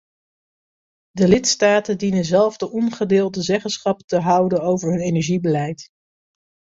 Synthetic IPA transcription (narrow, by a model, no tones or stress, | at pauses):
dəlɪtstaːtəndinənzɛlˠvdəʔɔnχədɪːlˠdəzɛχənsχɑptəɦʌwdənowvəɹɦɵnejnɛɹʒibəlɛjt